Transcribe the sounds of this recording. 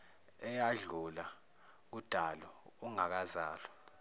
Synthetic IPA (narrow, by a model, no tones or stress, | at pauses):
ɛjaɮula | k̬ud̥ʱalɔuŋak̬azaːlɔ